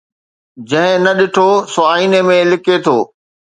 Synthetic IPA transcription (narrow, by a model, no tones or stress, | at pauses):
d͡ʑɐ̃ɦɪ̃nɐɗɪʈʰosʊaːiːnemẽlɪket̪ʰoː